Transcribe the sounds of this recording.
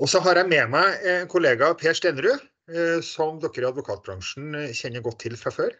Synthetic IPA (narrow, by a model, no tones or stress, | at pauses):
ɔsɔɦɑɾjæɪmɛmæɪɛnkʰʊleːɡɑpʰeːʂt̪eːnəɾʉ | sɔmd̪ɔkːəɾɪɑd̪ʋʊkʰɑːt̪̚bɾɑŋʂn̩çɛnːəɾɡɔt̪ʰːɪlfɾɑføːɾ